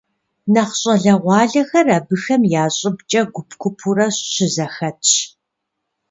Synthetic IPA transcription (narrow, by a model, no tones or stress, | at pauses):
nɐχɕʼɐɮɐʁʷɑːɮɐxɐrɐbɨxɐmjaːɕʼɪbt͡ʃʼɐɡʷʊpkʷʰʊpʰurɐɕɕɪzɐxɐtʰɕ